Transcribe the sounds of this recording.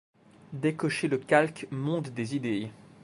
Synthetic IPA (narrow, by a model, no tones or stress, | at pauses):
d̪ekɔʃeləkʲalkmɔ̃t̪d̪ezid̪e